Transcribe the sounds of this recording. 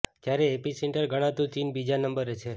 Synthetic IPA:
t̪jaɾeːpiseɳʈəɾɡʱəɽ̃ãt̪ũt͡ʃinbid͡ʒanəmbəɾet͡ʃʰe

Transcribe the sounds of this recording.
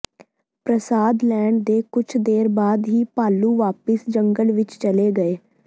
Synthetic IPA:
pɾəsaːd̪lɛːɳɖd̪eːkʊt͡ʃʰd̪eːɾbaːd̪ɦiːpaːluːʋaːpəsd͡ʒəŋɡəlʋɪt͡ʃt͡ʃəleːɡəeː

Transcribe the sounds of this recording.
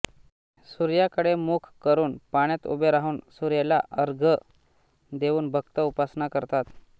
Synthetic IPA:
suɾjakəɽemukʰkəɾuːnpaɽ̃jat̪ṵbʱeɾaɦuːnsuɾjalaʔəɾɡʱə | d̪eʋuːnbʱəkt̪əupasnakəɾt̪at̪

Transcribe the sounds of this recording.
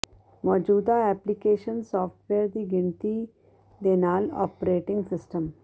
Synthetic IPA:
mɔːd͡ʒuːd̪aɛːplikeːʃə̃nsɔːfʈʋeːɾd̪iɡɪ̃nt̪i | d̪eːnaːlɔ̰ːpɾeːʈɪ̃ŋɡsɪsʈə̃m

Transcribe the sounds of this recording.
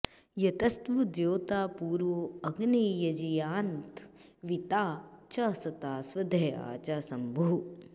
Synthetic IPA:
jɐt̪ɐst̪ʋud̪joːt̪aːpuːɾʋoɐɡniːjɐd͡ʒijaːnt̪ | ʋit̪aːt͡ʃasɐt̪aːsʋɐd̪ʱɐja̰ːt͡ʃaːsɐmbʱuː

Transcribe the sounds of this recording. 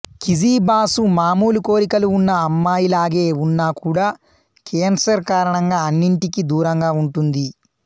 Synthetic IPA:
kid͡ʒiːbaːsumaːmuːluko̞ːɾikɐluːnːɐːmːaːjilaːɡe̞ːunːaːkuːɽaː | keːnsɐɾkaːɾɐɳɐŋɡaːɐnːiɳʈikid̪uːɾɐŋɡaːuɳʈund̪i

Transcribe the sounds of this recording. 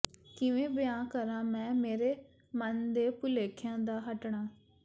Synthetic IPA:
kɪ̃ʋẽbɪjãkɐɾãmɛ̃ːmeːɾe | mənd̪epʊleːkʰjãd̪aɦɐʈɽ̃ãː

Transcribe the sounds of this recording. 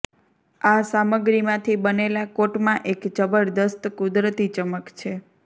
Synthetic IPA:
asaməɡɾimãt̪ʰibənelakoʈmãʔekt͡ʃəbəɽd̪əst̪kud̪ɾət̪it͡ʃəməkt͡ʃʰe

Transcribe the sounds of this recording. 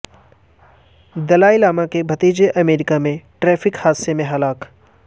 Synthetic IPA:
d̪ɐlaːilaːmakebʱɐt̪iːd͡ʒeʔɐmeːɾɪkamẽʈɾɛːfʰɪkhaːsemẽɦɐlaːk

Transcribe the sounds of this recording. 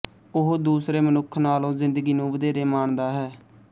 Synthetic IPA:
ʊɦoːd̪uːsɾeːmənʊkʰnaːlõːzɪ̃nd̪əɡiːnũːʋəd̪eːɾeːmaːɳd̪aːɦɛː

